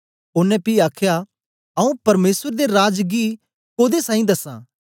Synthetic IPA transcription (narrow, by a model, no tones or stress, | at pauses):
ʊnɛ̃piːaːkʰja | ɐũpɐɾmeːsəɾd̪eɾaːd͡ʒɡi | koːd̪esaːĩd̪ɐsã̰ː